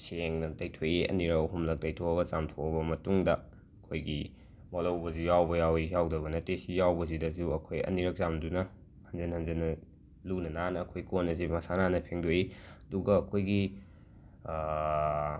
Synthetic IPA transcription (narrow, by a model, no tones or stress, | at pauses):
seŋnɐtɐjtʰojiɐ̰niɾɐkɐɦumlɐk̚tɐjtʰoɐɡɐzamtʰoɐbɐmɐtuŋdɐ | ɐkʰojɡi | molɐwbɐzujawbɐjawijawdɐbɐnɐtesijawbɐzidɐzuɐkʰojɐ̰niɾɐk̚zamdunɐ | hɐnzɐnhɐnzɐnɐ | lunɐnanɐːkʰojkonɐzimɐsananɐpʰeŋdoiɐduɡɐːkʰojɡi